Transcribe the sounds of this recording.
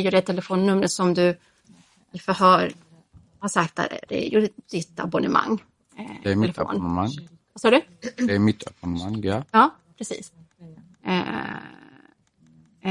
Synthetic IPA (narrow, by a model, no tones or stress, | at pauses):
jʊɾɛt̪ʰːɛləfoːnːɵmːɾəsɔmd̪ɵ | ɪfœɾɦœːɾ | haʂak̚t̪̚æ̰ɾ̰d̪ɛ̰jʊd̪̥ɪt̪ːa̰bɔnɛma̰ŋː | ɛmlfːnmaŋ | vasɑːɖɵɛmɪt̪ːa̰bɔnmaŋːjɑjɑːpʰɾɛsḭːs | ɛ̰